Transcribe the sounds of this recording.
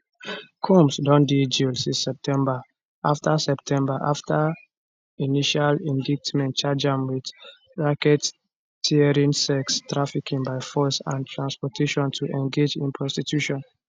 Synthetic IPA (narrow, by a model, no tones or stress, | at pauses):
kʰũmsdɔ̃ndid͡ʒilsĩsɛp̚tʰɛ̃mba | ʔaftʰasɛp̚tʰɛ̃mbaʔa̰ftʰa | iniʃalĩndik̚tmɛ̃nt̚t͡ʃad͡ʒãnwid | ɹakɛt | tʰːiɛɹĩnsɛkstɹafikʰĩŋbaɪfɔsã̰ntʰɹãnspɔtʰeʃɔ̃ntʰuʔɛ̃nɡed͡ʒḭ̃npʰɹɔstitʰjuʃɔ̃n